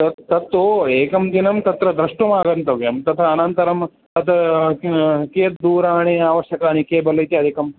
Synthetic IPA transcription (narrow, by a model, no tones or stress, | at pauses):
t̪ɐtt̪ɐt̪ːoeːkɐmd̪inɐmt̪ɐt̪ɾɐd̪ɾɐʂʈumaːɡɐnt̪ɐʋjɐmt̪ɐt̪ʰɐːnɐnt̪ɐɾɐm | ɐt̪ɐ | keːt̪d̪uːɾaːɳiaːʋɐʃjɐkaːnikeːbɐlɐjt̪iɐd̪ʱikɐm